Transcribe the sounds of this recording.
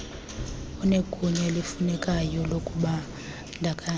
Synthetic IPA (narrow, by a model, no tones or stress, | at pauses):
uneɡʼʱuɲɛlifunɛkʼajɔlokʼuɓa | ndʱakʼa